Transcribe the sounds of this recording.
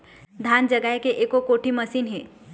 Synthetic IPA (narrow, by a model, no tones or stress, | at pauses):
d̪ʱaːnd͡ʒəɡaːjkeʔeːkokoːʈimɐsiːnɦẽː